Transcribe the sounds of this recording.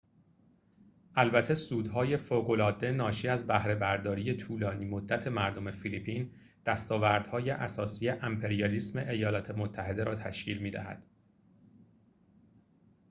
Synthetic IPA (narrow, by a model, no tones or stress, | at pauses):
ʔælbæt̪ʰe̞suːd̪ɦɒːje̞foːɣo̞lɒːd̪e̞nɒːʃiːæzbæhɾe̞bæɾd̪ɒːɾije̞t̪ʰuːlɒːniːmo̞d̪ːæt̪ʰe̞mæɾd̪o̞me̞filipʰiːn | d̪̥æst̪ɒːvæɾd̪̥hɒːje̞ʔæsɒːsiːjeʔæmpʰe̞ɾijɒlismeʔejɒːlɒːt̪ʰe̞mot̪ʰːæɦe̞d̪e̞ɾɒːt̪ʰæ̰ʃcʰiːlmiːd̪æ̰hæ̰d̪̥